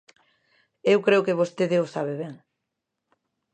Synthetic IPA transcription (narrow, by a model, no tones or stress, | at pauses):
ewkɾeʊkeβost̪eðeosaβeβɛŋ